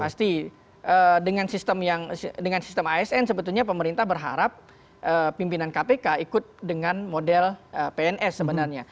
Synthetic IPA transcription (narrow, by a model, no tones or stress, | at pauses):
past̪i | ʔədəŋansist̪əmjaŋdəŋansi̥st̪əmaɛsɛnsəbət̪ulɲap̬əməɾint̪ahbərɦa̰ɾap̚ | ʔəpːimpinankapekaikʊt̪̚dəŋanmodɛləpeɛnʔɛsːəbənarɲa